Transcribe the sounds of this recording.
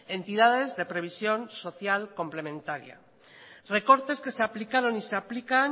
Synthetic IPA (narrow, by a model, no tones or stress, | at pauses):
e̞nt̪iðað̞e̞zðe̞pɾe̞β̞isjo̞nso̞θjalko̞mple̞mẽ̞nt̪aɾja̰ | re̞ko̞ɾt̪e̞ske̞seaplikaɾo̞niseaplikan